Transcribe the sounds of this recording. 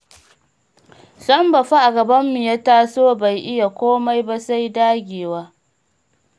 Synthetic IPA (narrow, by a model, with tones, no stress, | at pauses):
sɐ˦mbɐ˨ɸa˦ʔa˨ɡɐ˨bɐ˦mːi˨jaː˦taː˦soː˦ba˨jʔɪ˦ja˨kʷoː˦ma˦jba˦sa˦jdaː˦ɡʲeː˨waː˦